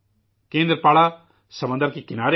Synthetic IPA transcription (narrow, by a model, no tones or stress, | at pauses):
kẽːnd̪ɾəpaːɭa | sɐmə̃nd̪əɾkikɪnaːɾe